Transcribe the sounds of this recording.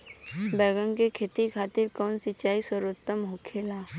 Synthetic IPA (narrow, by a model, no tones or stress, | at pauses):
bɛːɡəmkekʰeːt̪ikʰaːt̪ɪɾkɔːnsɪt͡ʃaːisəɾət̪ːəmɦokʰeːlaː